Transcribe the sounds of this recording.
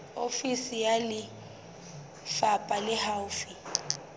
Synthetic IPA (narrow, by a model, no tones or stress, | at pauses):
ofisijalɪ | fapʼalɪhawʊfi